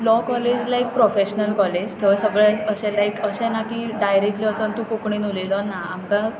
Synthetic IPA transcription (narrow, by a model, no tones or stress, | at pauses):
lɔkɔled͡ʑlajk̚pɾofeɕnəlkɔled͡ʑt̪ʰəsəɡɭɛəɕɛ̃lajkəɕɛ̃nakiːɖajɾek̚ʈliəsənt̪ũkukɳ̃iːnulelənaamka